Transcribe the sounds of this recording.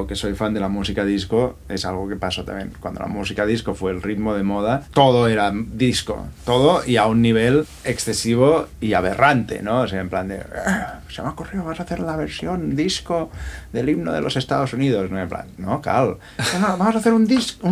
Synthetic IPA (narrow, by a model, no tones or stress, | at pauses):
okesojfand̪e̞lamusikaðiskoesalɣ̞okepasot̪a̰mjḛnkwa̰nd̪o̰la̰musikaðiskofweːlrit̪moð̞emoðat̪oðoeɾaðisko̰t̪oðoiaunːiβ̞el | eksθesiβ̞oiaβ̞ḛrant̪ḛnooseaempland̪ḛsemaokurioamosaθeɾlaβeɾsjond̪iskoðeliβno̰ðelʔosest̪aðosuniðosnoempla̰nːoka̰l | onoβamosaθeɾund̪isku